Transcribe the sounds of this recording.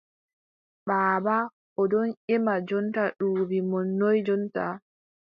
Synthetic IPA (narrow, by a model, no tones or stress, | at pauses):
ɓaːba | ʔɔdɔnʔɛmad͡ʒɔntaɗuwimɔnːɔjd͡ʒɔnta